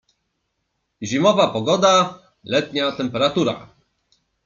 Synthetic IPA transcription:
ʑimɔvapɔɡɔd̪a | lɛt̪ɲat̪ɛmpɛɾat̪uɾa̰

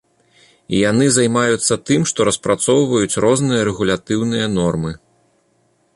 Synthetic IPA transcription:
ḭjanɨzajmajut̪sːɐt̪ɨmʂt̪ɔɾɐspɾʔat̪sɔwvɐjut͡sʲrɔznɨjɐɾɛɣulʲat̪ɨwnɨjɐnɔrmɨ

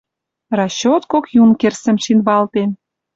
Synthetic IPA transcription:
rɑɕːot̪kokjunkersə̆mʃinβɑlt̪en

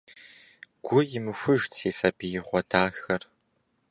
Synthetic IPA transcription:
ɡ̥ʷʊjɪmɨfʷʊʒtseːsɐbijɪʁʷɔdʰaːxɐr

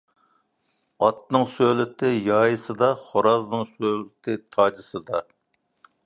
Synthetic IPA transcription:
ɑt̪̚nɨŋsølɪt̪ʰɪjɑːjɨsɨd̪ɑχoɾɑznɨŋsølɪt̪ʰɪt̪ʰɑːd͡ʒɨsɨd̪ɑ

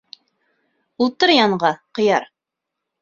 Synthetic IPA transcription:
ulˠt̪ɤɾjɑɴʁɑqɤ̆jɑɾ

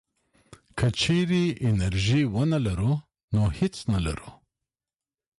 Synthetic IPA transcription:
kət͡ʃeɾiɪnaɾʒiwənalaɾu | nohɪt͡snala̰ɾu

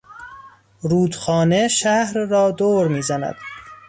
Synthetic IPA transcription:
ɾuːd̪xɒːneʃæhɾːɒːd̪oːɾmiːzænæ̰d̪̥

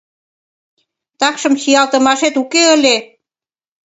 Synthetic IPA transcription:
t̪ɑkʃɤ̆msijɑlt̪ə̆mɑʃet̪ukeə̆lʲe

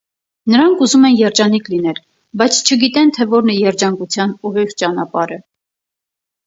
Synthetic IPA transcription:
nəɾɑŋkʰuzumɛnjɛɾd͡ʒɑnikʰlin̪ɛl | bɑjt͡sʰt͡ʃʰəɡit̪ɛnt̪ʰɛvɔɾnɛjɛɾd͡ʒɑŋkut͡sʰjɑnuʁiʁt͡ʃɑnɑpɑɾə

